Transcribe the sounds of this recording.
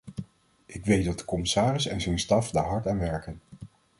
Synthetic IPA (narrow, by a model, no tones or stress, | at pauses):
ʔɪkʋejt̚dɑt̚də̥kɔmɪsaːrɪsɛ̰nzɛjnstɑfdaːɹɦɑɹtaːnʋɛɹkən